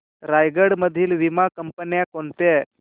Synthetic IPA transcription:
ɾajɡəɽməd̪ʱːiːlʋimakəmpənjakoɳt̪e

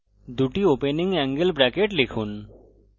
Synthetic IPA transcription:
d̪uʈiopeniŋɛŋɡelbɾɛkeʈlekʰun

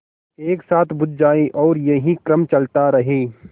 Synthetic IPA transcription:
eːksaːt̪ʰbʊd̪̚d͡ʒaːiʔɔːɾjɐɦikɾɐmt͡ʃɐlt̪aɾɐɦiː

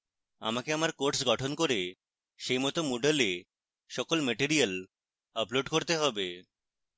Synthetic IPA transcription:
a̰makeamaɾkoɾʈsɡɔʈʰonkoɾe | ʃejmɔt̪omoɖele | ʃɔkolmeʈiɾial | əploɖkoɾt̪eɦɔbe

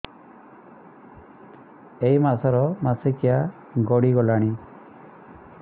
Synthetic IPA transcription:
ejmasɔɾɔmasekia | ɡɔɽiɡɔlaɽ̃i

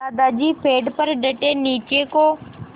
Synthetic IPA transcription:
aːd̪aːd͡ʒiːpʰeːɖpəɾɖəʈeːniːt͡ʃeːkoː

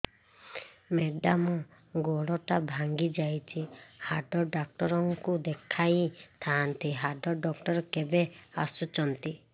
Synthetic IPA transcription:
meɖamɔ | ɡoɽɔʈabʱaŋɡid͡ʒajt͡ʃʰihaɖɔɖak̚ʈɔɾɔŋkud̪ekʰajt̪ʰant̪iɦaɖɔɖɔk̚ʈɔɾɔkebeasut͡ʃɔnt̪i

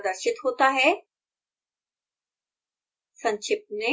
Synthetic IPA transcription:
d̪əɾʃɪt̪ɦoːt̪aɦɛ | sɐ̃ɲt͡ʃʰɪp̚t̪nẽ

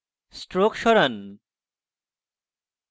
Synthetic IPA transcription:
sʈɾokʃɔɾan

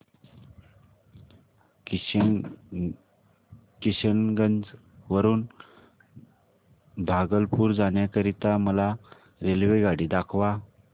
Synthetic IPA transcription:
kiɕənɡənd͡z | ʋəɾuːn | bʱaɡəlpuːɾd͡zaɳ̃jakəɾit̪aməla | ɾelʋeɡaɽiːd̪akʰʋa

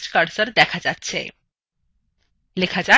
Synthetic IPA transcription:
t͡ɕkəɽsəɾd̪ɛkʰad͡zatːɕʰḛ | lekʰad͡ʑa

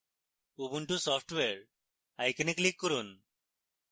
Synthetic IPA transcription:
ubuɳʈusɔpʰʈweɾ | ajkniklikːɔɾun

